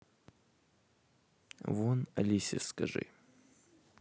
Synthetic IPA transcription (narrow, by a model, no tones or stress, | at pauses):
vonɐ̰lʲisʲɪskɐʐɨ̰